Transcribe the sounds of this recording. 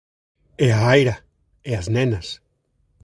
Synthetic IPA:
eaajɾa | eaznẽnas

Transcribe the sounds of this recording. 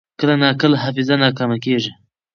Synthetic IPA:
kəlanɑkəlaɦafɪzanɑːkɑmakeʐi

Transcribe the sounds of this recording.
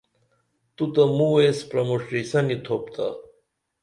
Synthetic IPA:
t̪ut̪ɐmuespɾɐmoʂɾisɐnit̪ʰoːpt̪ʰa̰

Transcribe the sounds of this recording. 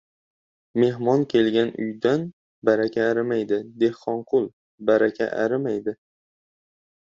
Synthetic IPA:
me̞ɦmɒnkʲʰe̞lɡʲanʊ̰jd̪an | baɾakʲʰaːɾɪmajd̪ɪd̪e̞hqɒɴqʰʊlˠ | baɾakʲʰa̰ʔa̰ɾɪmajd̪ɪ

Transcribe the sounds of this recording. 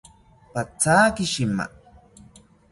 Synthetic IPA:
pat͡saːkɪʃɪma̰

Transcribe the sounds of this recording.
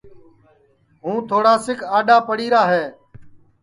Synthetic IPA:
ɦũːt̪ʰoːɽaːsɪkʰaːɗaːpəɽiːɾaːɦeː

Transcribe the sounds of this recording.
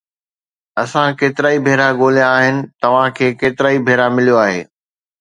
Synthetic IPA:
ɐsãkeːt̪ɪɾaːibʱeːɾaɠoːlijãaːɦɪnɪ̆t̪ɐʋ̤ãkʰeːkeːt̪ɪɾaːibʱeːɾamɪlijoaːɦḛː

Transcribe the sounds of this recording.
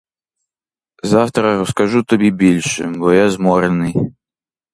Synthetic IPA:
zawt̪ɾɐɾɔskaʐut̪abʲibʲilʲʂɨ̰bɔjazmɔɾɛnɨj

